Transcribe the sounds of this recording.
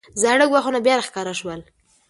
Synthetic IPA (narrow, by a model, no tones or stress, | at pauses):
zaɽəɡwaxunabjɑɾaxkɑɾaʃwəl